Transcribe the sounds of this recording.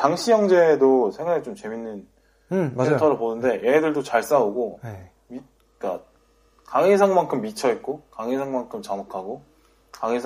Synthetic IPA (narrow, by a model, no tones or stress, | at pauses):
taŋɕʰijʌŋd͡ʑe̞dosʰeŋwaɾet͡ɕomt͡ɕe̞minːɯn | etʰʌɾɯɭponɯnde̞jeɦedɯɭdot͡ɕaɭs͈auɡon | mi | k͈a | kaŋisʰaŋmaŋkʰɯmːit͡ɕʰʌit̚k͈okaŋisʰaŋmaŋkʰɯmt͡ɕamakʰaɡo | kaŋis